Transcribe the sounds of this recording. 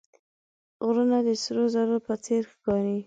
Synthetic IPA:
ɣɾunad̪əsɾozaɾopət͡seɾxkɑɾi

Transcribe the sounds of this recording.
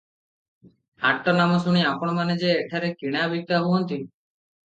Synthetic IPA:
aʈːɔnamɔsuɽ̃iapɔɽ̃maned͡ʒeːʈʰaɾekiɽ̃abʱik̚t̪abuɦɔnt̪i

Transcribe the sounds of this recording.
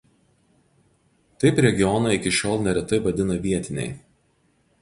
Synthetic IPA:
t̪ɐɪpɾʲɛɡʲɪɔnɐɪkʲɪʃʲoːlˠnʲɛɾʲɛt̪ɐɪʋɐd̪ʲɪnɐʋʲiɛt̪ʲɪnʲɛ̰ɪ

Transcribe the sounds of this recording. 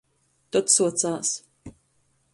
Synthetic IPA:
t̪ɔt̪suɔt̪saːs

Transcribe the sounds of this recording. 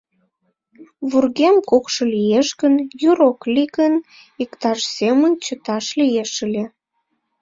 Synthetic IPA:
βurɣemkokʃɤlijeʃɣənjuɾokliɣən | ikt̪ɑʃsemənt͡ɕət̪ɑʃlijeʃəlʲe

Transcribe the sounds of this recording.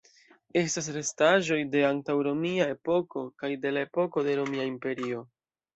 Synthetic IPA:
e̞stas̬ɾe̞staʒo̞jde̞antawɾo̞miae̞po̞ko̞kajde̞lae̞po̞ko̞de̞ɾo̞miaimpe̞ɾio̞

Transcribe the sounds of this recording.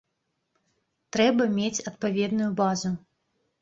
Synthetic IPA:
t̪ɾɛbɐmʲet͡sʲɐt̪pavʲɛd̪nujubazu

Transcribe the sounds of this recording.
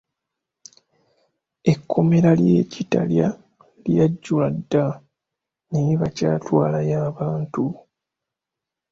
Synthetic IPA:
e̞kʰːo̞me̞ɾaljeːcita̰lja | ljaɟːuladːa | neiβacaːtwaːlajaːβaːntu

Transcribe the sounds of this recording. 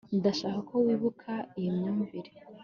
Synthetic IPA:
ndaʃaːkakʰowiːβukʰaijimɲaːmviɾi̥

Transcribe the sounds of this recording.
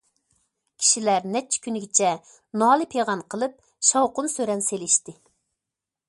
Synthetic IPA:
kʲʰi̥ʃilæɾnɛp̚t͡ʃʰɛ̥kʲʰynɪɡʲɪt͡ʃʰɛ | nɑːlˠɨpʰeʁɑnqʰəlˠɨp̚ | ʃɑwqʊnsøɾɛnselɪʃt̪ɪ

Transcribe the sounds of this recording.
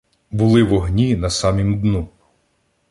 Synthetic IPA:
bulˠɪʋɔɦnʲinɐsɑmʲimd̪nu

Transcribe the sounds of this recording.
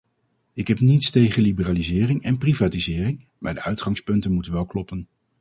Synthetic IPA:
ɪkɦɛpnitstejχənlibəraːlizɪːrɪŋɛnprivaːtizɪːrɪŋ | maːɹdəœɥtχɑŋspɵntənmutənʋɛlˠklɔpən

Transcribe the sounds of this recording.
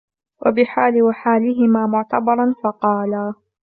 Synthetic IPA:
wʔa̰bɪħaːlɪwaħaːlɪɦɪmaːmʊʕt̪abɑɾˤɑnfɑqɑːlaː

